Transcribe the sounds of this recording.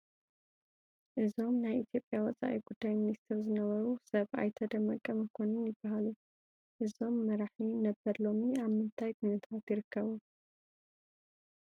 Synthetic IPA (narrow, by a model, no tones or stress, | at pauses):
ʔɨzo̞mnajʔit̪ʰjo̞pʼjawɔt͡sʼa̰ʔiɡud̪ːajminist̪ʰɛɾzɨnɐβɐɾusɐβa̰jt̪ʰɐd̪ɐmːɐkʼːɐmɐkʰo̞nɨnjɪbːaɦalu | ʔɨzo̞mːɐɾaħinɐbɐɾlo̞miaβmɨnt̪ʰajkʰʊnɨt̪ʰat̪jɪɾɨkʰːɐβu